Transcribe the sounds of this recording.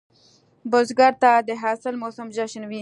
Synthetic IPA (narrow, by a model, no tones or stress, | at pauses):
bozɡaɾt̪ad̪əɦaːsɪlmosəmd͡ʒaʃnwi